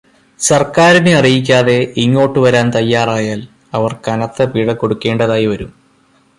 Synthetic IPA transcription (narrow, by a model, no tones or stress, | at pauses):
sɐrkaːɾinɨɐrijik̬ʲːaːðe̞iŋːo̞ːʈːɨʋɐɾaːnt̪ɐjːaːraːjaːl | ɐʋɐrkɐnɐt̪ːɐpiːɽɐko̞ɽukːe̞ːɳɖɐðaːjiʋɐɾum